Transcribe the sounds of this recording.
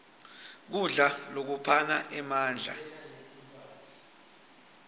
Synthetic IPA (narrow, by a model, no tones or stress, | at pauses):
k̬uɮalok̬upʰanaʔɛmaːnd͡ɮʱa̰